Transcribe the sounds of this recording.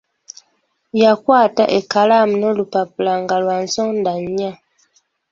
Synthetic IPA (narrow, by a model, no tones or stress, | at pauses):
jakwaːta̰ʔekalaːmuno̞lupapulaŋɡalwansoːndaɲːa